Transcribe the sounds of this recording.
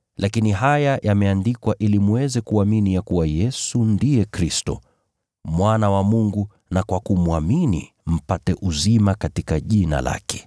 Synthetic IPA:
lʔakiniɦajajʔamɛandikwaʔilimuwɛzɛkuaminijakuwajɛsundijɛkɾistɔ̰ | mwanawamuŋɡu | nakwakumuaminḭ | m̩patɛʔuzimakatikaʄina̰la̰kɛ̥

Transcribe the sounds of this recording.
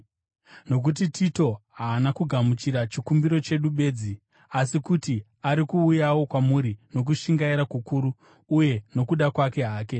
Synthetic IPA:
no̞k̬ut̬itʰito̞ɦaːnakuɡʱamut͡ʃiɾat͡ʃikumbiɾo̞t͡ʃe̞ɗuɓe̞ːd͡zi | asikuti | aɾikuːjawo̞kwamuɾino̞k̬uʃiŋɡaiɾakukuɾuː | je̞no̞kuɗakwake̞ɦaːke̞

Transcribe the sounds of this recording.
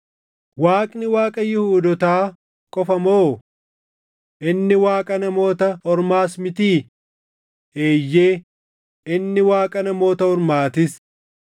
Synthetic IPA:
waːkʼnɪwaːkʼɐjɪhuːd̪ɔt̪aː | kʼɔfɐmoː | ʔɪnːɪwaːkʼɐnɐmo̞ːt̪ɐhɔɾmaːsmɪt̪iː | eːjːe̞ː | ɪnːɪwaːkʼɐnɐmo̞ːt̪ɐhɔɾmaːt̪ɪs

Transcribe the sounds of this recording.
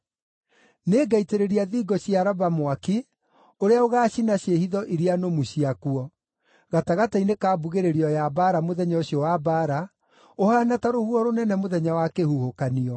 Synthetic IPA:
neːɡaiteɾeɾiaðiɡɔɕjaɾabamwaki | oɾeaoɣaːɕinaɕehiðɔʔiɾianomuɕiakuɔ | ɣataɣatainekaːbuɣeɾeɾiɔjabaɾamoðɛɲɔoɕjɔwabaɾa | ohaːnataɾohuɔɾonɛnɛmoðɛɲawakehuhokaniɔ

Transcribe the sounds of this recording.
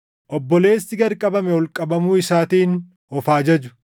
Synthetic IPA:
ʔɔbːɔle̞ːsːɪɡɐɾkʼɐbɐmɛwɔlkʼɐbɐmuːɪsaːt̪iːn | ɔfaːd͡ʒɐd͡ʒʊ̥

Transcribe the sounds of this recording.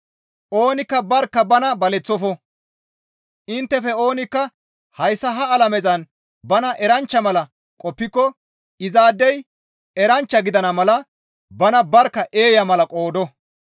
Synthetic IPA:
ʔo̞ːnɪkːɐbɐɾkːɐbɐnɐbɐlɛt͡sːɔfɔ | ʔɪnt̪ːɛfɛo̞ːnɪkːɐ | hɐjsːɐɦɐːlɐmɛzɐn | bɐnɐʔɛɾɐnt͡ʃːɐmɐlɐ | kʼɔpːɪkːɔ | ɪzaːd̪ːɛj | ɛɾɐnt͡ʃːɐɡɪd̪ɐnɐmɐlɐ | bɐnɐbɐɾkːɐʔe̞ːjɐmɐlɐkʼo̞ːd̪ɔ

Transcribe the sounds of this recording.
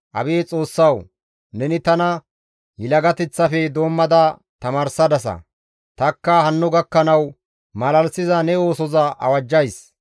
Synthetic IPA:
ʔɐ̰beːt͡sʼo̞ːsːɐw | nɛnɪt̪ɐnɐ | jɪlɐɡɐt̪ɛt͡sːɐfɛd̪o̞ːmːɐd̪ɐ | t̪ɐmaːɾsɐd̪ɐs̬ɐ̰ | t̪ɐkːɐhɐnːʊɡɐkːɐnɐw | mɐlɐlsɪzɐnɛo̞ːsɔzɐʔɐ̰wɐd͡ʒːɐjs

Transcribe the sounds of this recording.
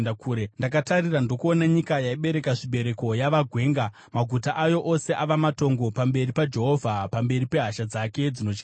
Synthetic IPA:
kuɾendak̬atarirandokuonaɲikajaiɓe̞ɾe̞kaʐiɓe̞ɾe̞ko̞jaʋaɡʱwe̞ːŋɡa | maɡʱutaʔajo̞ʔo̞se̞ʔaʋamato̞ŋɡo̞pambe̞ripad͡ʒe̞ɦo̞vʱapambe̞ripe̞ɦaʃad͡zake̞d͡zino̞t͡ʃka

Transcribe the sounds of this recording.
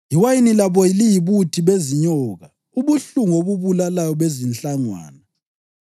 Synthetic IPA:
jiwajinilaβɔjilijiβutʰiβeziɲɔːɣa | uβuɬuŋoβuβulalajɔβezint͡ɬʼaŋwa̰ːna

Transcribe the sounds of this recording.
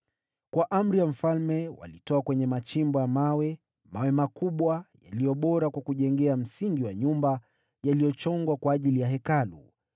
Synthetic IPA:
kwaʔam̩ɾijam̩falmɛwa̰litɔakwɛɲɛmat͡ʃimbɔjamawɛ | mawɛmakuɓwaja̰lijɔɓɔɾakwakuʄɛŋɡɛam̩siŋɡiwaɲumba | jalijɔt͡ʃɔŋɡwakwaːʄilijaɦɛkalṵ

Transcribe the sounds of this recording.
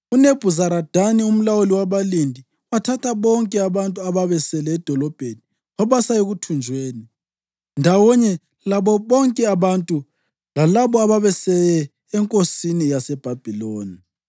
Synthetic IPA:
uneb̥ʱuzaɾad̥ʱanium̩lawuliwaβalindʱi | watʰatʰaβɔŋkʼɛaβantʼuaβaβɛsɛlɛːd̥ʱɔlɔb̥ʱeni | ɔβasaeɣutʰund͡ʒʱweːni | ndʱawɔɲɛ | laβɔβɔŋkʼɛaβantʼu | lalaβɔaβaβɛsɛjɛ | ɛŋkʼosinijasɛb̥ʱab̥ʱiloːni

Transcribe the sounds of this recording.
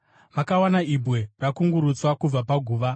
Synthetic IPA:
makawanaibwe̞rakuŋɡuɾut͡swakub͡vapaɡʱuːʋa

